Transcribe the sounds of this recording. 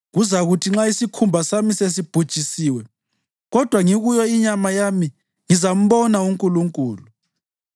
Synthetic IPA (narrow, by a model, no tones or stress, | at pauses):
ɣuzaɣutʰiŋ͡ǁaisikʰumbʱasamises̬ib̥ʱud̥ʒ̥ʱisiːwɛ | ɣɔd̥ʱwaŋiɣujɔiɲamajami | ŋizam̩βɔnauŋkʼuluŋkʼuːlu